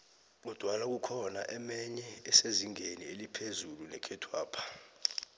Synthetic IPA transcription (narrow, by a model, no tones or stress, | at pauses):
ɓud̥ʱwalak̬ukʰɔnaʔɛmɛɲɛːseziŋenielipʰezulunɛ̰kʰɛtʰwaːpʰḁ